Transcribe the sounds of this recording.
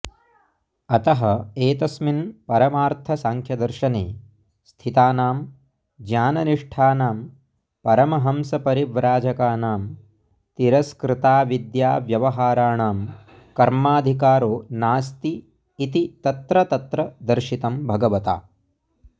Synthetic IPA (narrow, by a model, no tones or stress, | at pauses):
ɐt̪ɐɦɐeːt̪ɐsminpɐɾɐmaːɾt̪ʰɐsaːŋkʰjɐd̪ɐɾʃɐneː | st̪ʰit̪aːnaːm | d͡ʒjaːnɐniʂʈʰaːnaːm | pɐɾɐmɐɦɐmsɐpɐɾiʋɾaːd͡ʒɐkaːnaːm | t̪iɾɐskɾɪt̪aːʋid̪jaːʋjɐʋɐɦaːɾaːɳaːm | kɐɾmaːd̪ʱikaːɾoːnaːst̪iː | t̪it̪ɐt̪ɾɐt̪ɐt̪ɾɐd̪ɐɾʃit̪ɐmbʱɐɡɐʋɐt̪a̰ː